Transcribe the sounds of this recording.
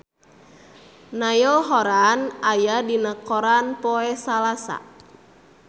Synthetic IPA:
najɔlɦɔɾanajadinakɔɾanpɔɛsalasa̰

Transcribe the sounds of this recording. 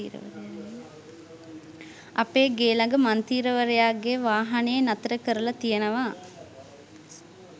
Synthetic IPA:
ḭːɾə̰ʋə̰ɾeja | ɐpeːɡeːlɐŋɡəmant̪iːɾəʋəɾejaːɡeʋaːɦɐneenɐt̪əɾəkəɾəlɐt̪ijənəʋaː

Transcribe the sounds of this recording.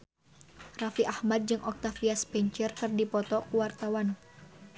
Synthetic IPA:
rafiʔahmad̪̚d͡ʒɨŋʔɔk̚t̪afiaspɛɲt͡ʃɛrkɨrdipɔt̪ɔkuwart̪awan

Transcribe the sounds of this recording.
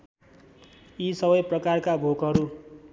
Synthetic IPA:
isʌbʌjprʌkarkabʱoɡɦʌɾu

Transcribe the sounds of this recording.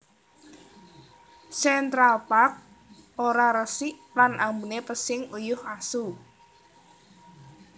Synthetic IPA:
sɛnt̪ɾalpak̚ | ʔoɾaɾəsɪʔlanʔambunepəsɪŋujʊhasu

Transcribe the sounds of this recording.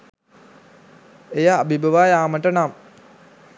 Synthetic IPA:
ejaːbibəʋaːjaːməʈənam

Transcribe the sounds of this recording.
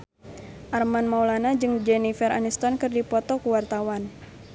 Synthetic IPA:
ʔarmanmauwlanad͡ʒɨŋd͡ʒɛnifɛɾanist̪ɔnkɨrdipɔt̪ɔkuwart̪awan

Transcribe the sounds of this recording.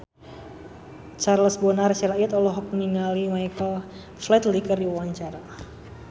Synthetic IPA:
t͡ʃarləsbɔnart͡ʃɛlait̪ɔlɔɦɔk̚mniŋalimajkəl | flɛt̪likərdiuwaɲt͡ʃaɾa

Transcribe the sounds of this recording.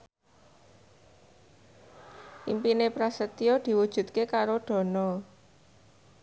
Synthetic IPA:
ʔimpinepɾasət̪iod̪̥i̤wud̥ʒ̥ṳt̪kekaɾoɖ̥ɔ̤nɔ

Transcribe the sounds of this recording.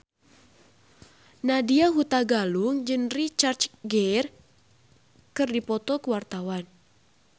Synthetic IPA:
nadiaɦut̪aɡaluŋd͡ʒənrit͡ʃart͡ʃɡɛr | kɨrdipɔt̪ɔkəwart̪awan

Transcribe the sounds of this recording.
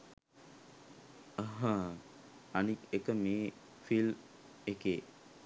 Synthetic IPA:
əɦa | anikekəmeː | fil | ekeː

